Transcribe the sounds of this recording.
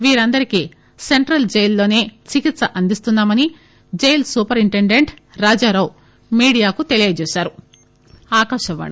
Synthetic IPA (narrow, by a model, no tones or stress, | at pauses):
ʋiːɾɐnd̪ɐɾiki | se̞ɳʈɾɐld͡ʒejlːo̞ːne̞ːt͡ʃikit̪sɐʔɐnd̪ist̪unːaːmɐni | d͡ʒejlsuːpɐɾiɳʈeɳɖe̞ɳʈ | ɾaːd͡ʒaːɾɐw | miːɽijaːkut̪elijeɐd͡ʒeːsaːɾu | aːkaːʃɐʋa̰ːɳ